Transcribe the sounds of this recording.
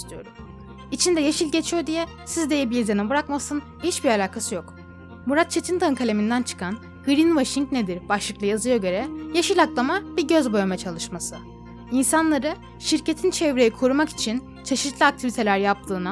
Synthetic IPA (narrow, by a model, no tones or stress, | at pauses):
st̪ʰyjo̞ɾum | it͡ʃʰind̪ɛjeʃilʲɟet͡ʃʰijo̞d̪ijɛ | sizd̪e̞jɛbilizenibɯɾakmasɯn | hit͡ʃbiɾalʲaːkʰasɯjok | muɾat̪̚t͡ʃʰe̞t̪ʰind̪ankʰalʲe̞mind̪ænt͡ʃʰɯ̥kʰan | ɡ̥ɾinvaʃiŋkned̪iɾbaʃlˠɯklˠɯjazɯjaɟø̞ɾɛjaʃilʲaklˠamabiɟøzbo̞jamɛt͡ʃʰalˠɯʃmasɯ | insanlˠaɾɯ | ʃiɾcet̪ʰint͡ʃʰɛvɾe̞jikʰoɾumaki̥t͡ʃʰin | t͡ʃʰe̞ʃit̪lˠiak̚t̪ʰivit̪ʰe̞lʲæɾjap̚t̪ʰɯːna